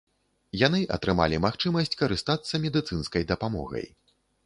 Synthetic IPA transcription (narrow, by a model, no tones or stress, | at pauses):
janɨʔɐ̰t̪ɾɨma̰lʲimaxt͡ʂɨmɐsʲt͡sʲkɐɾɨst̪at̪sːɐmʲɛd̪ɨt̪sɨnskɐjd̪ɐpamɔ̰ɣɐ̰j